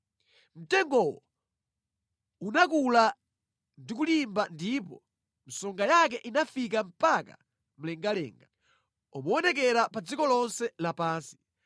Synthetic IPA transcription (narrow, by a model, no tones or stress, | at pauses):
m̩tɛŋɡɔwɔ | unak̬ula | ndik̬ulimbandipɔ̰ | m̩sɔŋɡajak̬ɛʔinafik̬am̩paka̰ | m̩lɛŋɡalɛ̰ːŋɡa | ɔmɔɔnɛk̬ɛɾapad͡zikɔlɔnsɛlapaːnsi̥